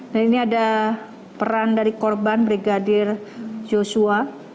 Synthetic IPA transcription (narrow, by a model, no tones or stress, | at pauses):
daniniada | pəɾandaɾikɔrbanbɾiɡadɪrd͡ʒosua